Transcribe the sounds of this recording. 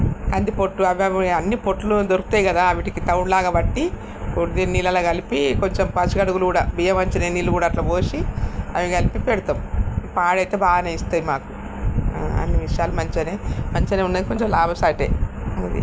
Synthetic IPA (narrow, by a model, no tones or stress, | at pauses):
kɐnd̪ipoʈːuɐʋɐʋɐnːipoʈːulud̪oɾuku̥t̪aːjiɡɐd̪aːɐʋiʈikit̪ɐwuɳlaːɡaːbɐʈːi | ud̪iniːlɐlɐːɡɐlipiko̞ɲt͡ʃempɐt͡ʃikɐɽuɡulukuːɽaːbijɐmɐɲt͡ʃɐneːniːlːukuːɽaːʈlɐʋoːsiɐʋiɡɐlipipeɽut̪ɐmpaːɽɐjt̪eːbaːɡɐnɐist̪aːjimaːku̥ | ɐ̰nːiʋiʂɐjaːlumɐɲt͡ʃɐneːmɐɲt͡ʃɐneunːaːiko̞ɲt͡ʃemlaːbɐsaːʈḛːd̪ḭ